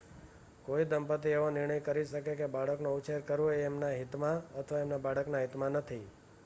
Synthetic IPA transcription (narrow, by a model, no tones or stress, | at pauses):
koid̪əmpət̪ieʋõnɪɾɳəjkəɾiʃəkekebaɽəknõut͡ʃeɾkəɾõeːmnaɦit̪mãət̪ʰəʋaemnabaɽəknaɦit̪mãnət̪ʰi